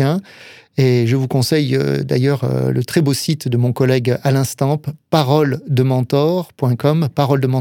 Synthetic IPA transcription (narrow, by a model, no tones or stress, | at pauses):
ɛ̃eʒəvukɔ̃sɛjø̰d̪a̰jœʁø̰lə̰t̪χɛbosit̪d̪əmɔ̃kɔlɛɡalɛ̃st̪ɑ̃ppaʁɔld̪əmɑ̃t̪ɔʁpwɛ̃kɔmpaʁɔld̪əmɑ̃